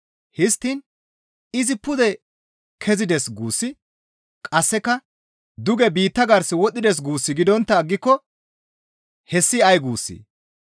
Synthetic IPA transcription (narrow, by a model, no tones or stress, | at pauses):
hɪst̪ːin | ɪzɪpʊd̪ɛ | kʰɛzɪd̪ɛsɡuːsːɪ | kʼɐsːɛkɐ | d̪ʊɡɛbiːt̪ːɐɡɐɾsɪwɔɗɪd̪ɛs̬ɡuːsːɪɡɪd̪ɔnt̪ːɐːɡːɪkːɔ | hɛsːɪɐjɡuːsːḭ